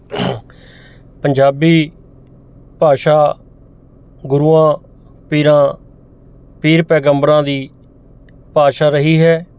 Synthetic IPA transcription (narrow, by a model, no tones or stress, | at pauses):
pəɲd͡ʒaːbiː | paːʃaː | ɡʊɾuːãː | piːɾãː | piːɾpɛːɡəmbɾãːd̪iː | paːʃaːɾəɦiːɦɛː